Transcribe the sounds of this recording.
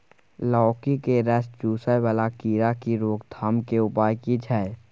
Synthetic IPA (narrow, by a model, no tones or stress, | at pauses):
lɔːkikeɾɛsd͡ʒuːsəjbəlakiːɾakiɾoːɡd̪ʱaːmkeʊpaːjkid͡ʒʰʱae